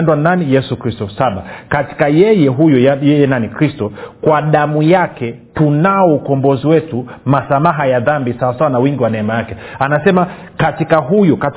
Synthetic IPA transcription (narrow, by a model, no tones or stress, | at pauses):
ndwananijɛsukɾistɔsaɓakati̥kajɛjɛɦujɔjɛjɛnanikɾistɔkwaɗamujakɛ | tunaɔukɔmbɔziwɛtumasamaɦajaðambisawasawanawiŋɡiwanɛɛmajakɛanasɛma | katikaɦujɔkat